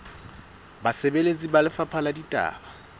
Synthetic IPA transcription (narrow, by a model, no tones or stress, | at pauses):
basɛbelet͡sʼibalɪfapʰaladitʼa̰ːba